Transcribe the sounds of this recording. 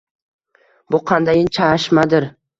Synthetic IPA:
bʊqʰɑnd̪ajɪnt͡ʃʰaʃmad̪ɪɾ

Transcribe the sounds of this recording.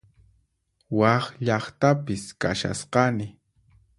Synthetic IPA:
wɑχʎɑχt̪apɪskaʃa̰sqɑnɪ

